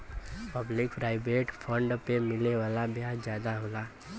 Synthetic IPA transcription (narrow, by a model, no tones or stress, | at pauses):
pəblɪkpɾaːɪbeːʈpʰə̃ɳɖpemɪleʋaːlabjaːd͡ʒjaːd̪aɦoːlaː